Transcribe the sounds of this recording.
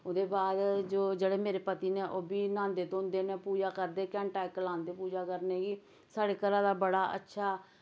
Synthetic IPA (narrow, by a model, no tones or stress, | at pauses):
od̪eːbaːd̪d͡ʒoːd͡ʒeːɽeːmeːɾeːpət̪iːneːʔoːbiːnãːnd̪eːt̪õːnd̪eːneːpuːd͡ʒaːkəɾd̪eːkɛ̃ːɳʈaːjkəlãːnd̪eːpuːd͡ʒaːkəɾneːɡiː | saːɽeːkəɾãːd̪aːbəɽaːə̰tːʃʰaː